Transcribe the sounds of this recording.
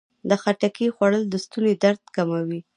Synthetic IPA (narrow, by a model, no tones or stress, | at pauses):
d̪əxaʈakixwaɽəld̪əst̪uned̪aɾt̪kamawi